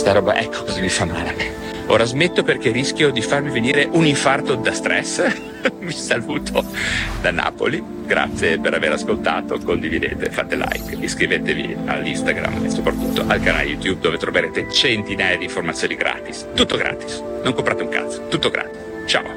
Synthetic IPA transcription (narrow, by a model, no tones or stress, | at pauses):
st̪aɾɔːba̰ʔɛkʰːo̥ɔzamifamːaːleɛ | o̰ːɾazmet̪ːoperkerisk̟ʲjod̪ifarmiveniːɾeʔuniɱfart̪od̪ast̪ɾɛs | visaluːt̪ʰod̪ana̰ːpo̰li | ɡɾa̰t̪sːjepeɾaveɾaskolt̪aːt̪okond̪ivid̪ḛːt̪ḛfa̰t̪ela̰jkiskɾivet̪evḭa̰lːḭst̪aɡɾa̰mḛsopɾat̪ːut̪ːoʔalkana̰lejut̪jub̚d̪ovet̪ɾoveɾeːt̪et͡ʃent̪inaːjad̪iɱformat̪sjoːniɡɾa̰ːt̪ist̪ut̪ːoɡɾʔa̰ːt̪i̥s | noŋkompɾaːt̪euŋka̰t̪sːo̥t̪ut̪ːoɡɾa̰ːt̪is | t͡ʃa̰ːo